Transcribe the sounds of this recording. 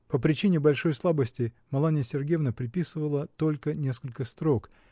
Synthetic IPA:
pəpɾʲɪt͡ɕinʲɪbɐlʲʂo̞jslˠabəsʲtʲɪ | mɐlˠanʲɪjəsʲɪrɡʲevnəpɾʲɪpʲisɨvəlˠət̪o̞lʲkənʲe̞skəlʲkəst̪ɾo̞k

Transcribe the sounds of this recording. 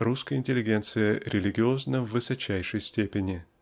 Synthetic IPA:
ruskəjəɪnʲtʲɪlʲːɪɡʲe̞nt̪sɨjəɾʲɪlʲɪɡʲɪo̞znəvːɨsɐt͡ɕæjʂəjsʲtʲepʲɪnʲɪ

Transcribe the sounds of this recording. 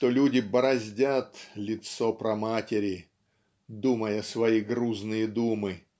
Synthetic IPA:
t̪olʲudʲɪbɐɾɐzʲdʲat̪lʲɪt̪sopɾɐmatʲɪɾʲɪ | d̪uməjəsvɐiɡɾuznɨjəd̪umɨ

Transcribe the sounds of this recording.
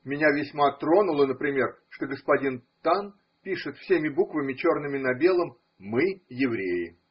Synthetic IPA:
mʲɪnʲavʲɪsʲmat̪ɾo̞nʊlˠənəpɾʲɪmʲe̞r | ʂt̪oɡəspɐdʲint̪an | pʲiʂɨt̪fsʲemʲɪbukvəmʲɪt͡ɕo̞rnɨmʲɪnɐbʲe̞lˠəmː | ɨjɪvɾʲejɪ̰

